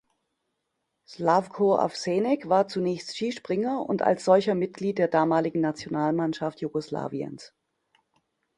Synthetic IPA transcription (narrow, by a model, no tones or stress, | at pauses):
slafkʰoːa̰fseːnɛkv̥aːɐt͡sunɛːçstʃiːʃpʁ̥ɪŋɐʊ̰nta̰lsz̥ɔlçɐmɪt̚ɡ̥liːt̚d̥eːɐdaːmaːlɪɡŋ̩nat͡sjonaːlmanʃaftʰjuɡosla̰ːviə̰ns